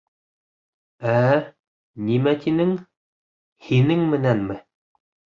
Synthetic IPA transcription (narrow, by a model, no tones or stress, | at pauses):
æ | nimæt̪inɘŋ | hinɘŋmɘ̆nænmɘ